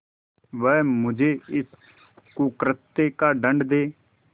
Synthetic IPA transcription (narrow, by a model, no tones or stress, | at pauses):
ʋɛːmʊd͡ʒeːɪs | kukɾət̪ːeːkaːɖə̃ɳɖd̪eː